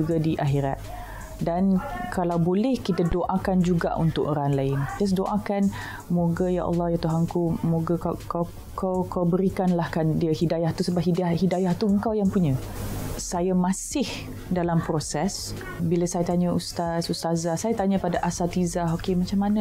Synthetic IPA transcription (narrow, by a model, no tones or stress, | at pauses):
uɡadiʔaɦiɾat̪̚ | dankʰalawbolɛhkit̪adoʔakand͡ʒuɡa̰ʔṵnt̪ʊkoɾaŋlaɪnt̪as̬doʔakan | moɡəja̰ʔɑ̰lˠːɔhjat̪uɦaŋkumoɡakakaw | kawkawbəɾikanlahkandiəhidajaht̪usəbaʔ̚ɦidahidajaht̪uəŋkawjaŋpuɲə̃ | sajamãsɪh | dalampɾosɛs | bilasajat̪aɲəust̪asust̪azasajat̪aɲəpadaʔasat̪izaɦokemat͡ʃamːanə̃